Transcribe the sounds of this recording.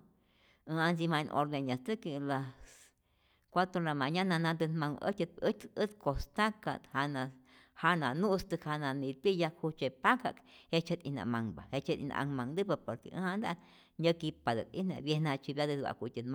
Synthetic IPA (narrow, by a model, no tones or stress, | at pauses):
ɨ̃anzimãnʔo̰ɾd̪enãst̪ɨkilas | kʷat̪olamãɲãnãnãd̪ɨnmãŋʔə̰t̪ʲet̪ət̪ət̪kost̪aka̰t̪hanã | hanãnũst̪ɨkhanãnĩt̪ijakʰhut͡ʃepaka̰khet͡ʃet̪ʔḭnã̰mãŋba̰het͡ʃt̪ḭnã̰ʔaŋmãŋd̪ɨbapoɾkḛʔɨ̰̃hand̪a | ɲəkipad̪ɨ̰t̪ʼḭnã̰bjenãt͡ʃibjad̪ɨd̪wa̰kʷit̪ʲinma